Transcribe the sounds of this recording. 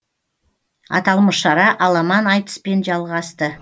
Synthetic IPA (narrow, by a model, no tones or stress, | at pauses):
ɑ̰t̪ɑlˠməsʃɑɾɑʔɑlˠɑmɑnɑjt̪ə̥spe̞nʒɑlˠʁɑst̪ə